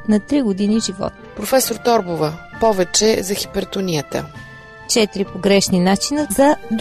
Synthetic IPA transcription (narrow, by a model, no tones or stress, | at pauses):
nɐt̪ɾiɡʊd̪iniʒivɔ̰t̪ | pɾofɛsoɾt̪ɔɾbovəpɔvɛt͡ʃɛzɐxi̥pɛɾt̪onijət̪ə̰ | t͡ʃɛt̪iɾipoɡɾɛʃninat͡ʃinəzɐd̪